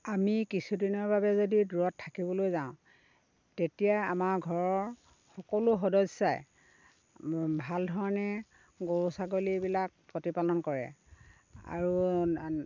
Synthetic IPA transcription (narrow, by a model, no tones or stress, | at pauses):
amikisudinɔɹbʱabɛzodiduɹɔtʰːakibɔlojzaʊ̃ | tetijaamaɹɡʱɔɹɔɹ | xɔkɔlʊxɔdɔsaj | bʱaldʱɔɹanɛ | ɡoɹusaɡolibilak̚pɹotipalɔnkɔɹɛ̰ | a̰ɹu